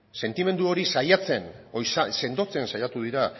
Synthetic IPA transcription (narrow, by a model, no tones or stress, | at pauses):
se̞nt̪ime̞nd̪uo̞ɾisajat͡se̞nojsase̞nd̪o̞t͡se̞nsajat̪uðiɾa